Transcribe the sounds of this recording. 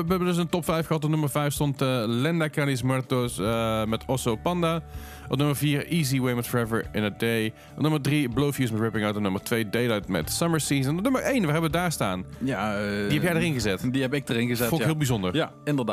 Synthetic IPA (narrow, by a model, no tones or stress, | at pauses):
ʋəɛbəndɵs̬əntɔpfɛjfxəɦɑtɔtnɵməɹvɛjfstɔntəlɛndakalis̬mɛɹtosəmɛtɔsopɑnda | ɔnɵməɹviːɹiːziwejmɛtfɔɹɛvəɹɪ̰nədej | tnməɹdriblowfjusmɛtɹɪpɪŋawtənɵməɹtʋejdejlajtmɛ̰tsʌməɹsiːzənnɵməɹʔejnʋəɦɛbəʋədaːɹsta̰ːnjadiɦɛpjɛjdəɹɪnɣəzɛtdiɛpɪk̚dəɪnəzɛɔlˠkɪːlˠbizɔndəɹ | ɪndəda